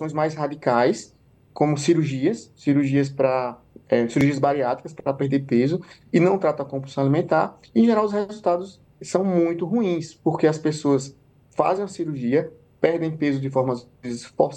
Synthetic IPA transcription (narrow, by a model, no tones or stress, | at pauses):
sõj̃zmajshad̪ikajs | kõmʊsiɾuɾʒiɐsːiɾuɾʒiɐs̬pɾɐ | ɛsiɾuɾʒiɐzbaɾiat̪i̥kɐspɾɐpeɾd̪eɾpezʊɪnɐ̃w̃t̪ɾat̪ɐ̃ɐkõpusɐ̃w̃alimẽnt̪aɾ | ẽʒɛɾawʊs̬hezuwt̪ad̪ʊsː | ɐ̃w̃mũj̃t̪ʊɦuĩspoɾkeɐspesoɐs | fa̰zẽj̃ũɐsiɾuɾʒiɐ | pɛɾd̪ẽj̃pezʊd̪ɪfɔɾmɐ | ɪzfɔ